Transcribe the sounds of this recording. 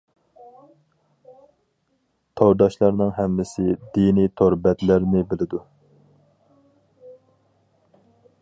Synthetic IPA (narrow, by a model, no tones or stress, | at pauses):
t̪ʰoɾd̪ɑʃlˠɑɾnɨŋɦɛmːɪsɪd̪init̪ʰoɾbɛt̪læɾnɪbɪlɪd̪u